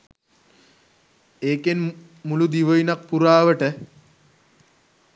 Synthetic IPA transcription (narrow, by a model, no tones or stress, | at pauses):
eːken | mulud̪iʋəjinɐk̚puɾaːʋəʈə